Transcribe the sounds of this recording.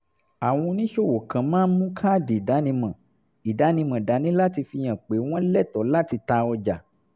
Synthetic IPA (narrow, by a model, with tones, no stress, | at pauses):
a˨w̃ɔ̃˧nĩ˦ʃo˦˨wo˨kã˨˦mãː˦mũ˦kʰa˦˨de˨da˨˦nĩ˧mã˨ | i˨da˨˦nĩ˧mã˨da˨˦nĩ˨˦la˦ti˧fi˧j̃ã˨k͡pe˨˦w̃ɔ̃˦lɛ˦˨tɔ˨˦la˦ti˧ta˧ɔ˧d͡ʒa˨